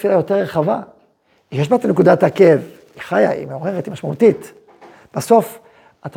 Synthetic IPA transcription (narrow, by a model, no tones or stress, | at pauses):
filajo̞t̪e̞ʁʁeχava | ijeʃ̬bat̪anekud̪at̪ake̞v | iχaja̰ḭmeoʁeʁet̪imaʃmaut̪it̪ | b̥aso̞f | at̪a